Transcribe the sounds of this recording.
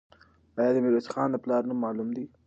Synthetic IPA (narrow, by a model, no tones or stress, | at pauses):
ajɑːd̪əmiɾat͡ʃxɑːnd̪əplɑːɾnamːɑːlumd̪i